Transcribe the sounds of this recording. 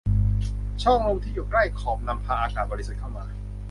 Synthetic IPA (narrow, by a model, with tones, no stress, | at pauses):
t͡ɕʰɔ˥˩ŋmoː˧ŋt̪ʰiː˥˩ju˨˩kla˥˩jkʰɔː˨˩p̚na˧mpʰaː˧ʔaː˧saː˨˩t̪̚bɔ˧li˦sa˨˩t̪̚kʰa˥˩wmaː˧